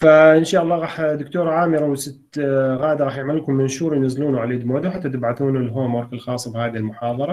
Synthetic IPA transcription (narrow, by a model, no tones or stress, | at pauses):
faʔɪnʃaːʔɑlˤːɑːɣɑːħd̪ʊkt̪oːɾˤʕaːmɪɾawɪsɪt̪ɣaːd̪aɾˤɑːħjɪʕmalːkʊmːɪnʃuːɾˤjnazːluːnuʕaleːd̪moːd̪awħat̪ːat̪ɪbʕaθuːnulːɦoːmwɑɾˤkɪlxɑːsˤːbhaːðihɪlmʊħɑːðˤɑɾˤɑ